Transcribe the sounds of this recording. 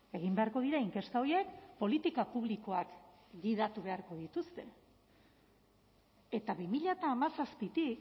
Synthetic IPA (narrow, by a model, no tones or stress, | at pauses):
e̞ɣ̞imbe̞aɾko̞ð̞iɾaiŋke̞st̪ao̞jek̚po̞lit̪ikapuβliko̞ak | ɡiðat̪uβe̞aɾko̞ð̞it̪ust̪e̞ | e̞t̪aβimiʎat̪aːmasaspit̪ik